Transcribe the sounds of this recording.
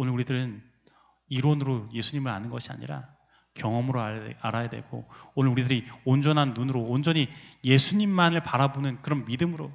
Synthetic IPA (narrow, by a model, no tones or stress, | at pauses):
onɯɾuɾidɯɾɯn | iɾonɯɾoje̞sʰuɲimɯɭa̰nɯnɡʌɕʰia̰ɲḭɾa̰ | kjʌŋʌmɯɾoa̰aɾajadwe̞̰ɡo̰onɯɾuɾidɯɾiond͡ʑʌnɦanːunɯɾoːnd͡ʑʌɲije̞sʰuɲimːanɯɭpaɾabonɯnkɯɾʌnmidɯmɯɾo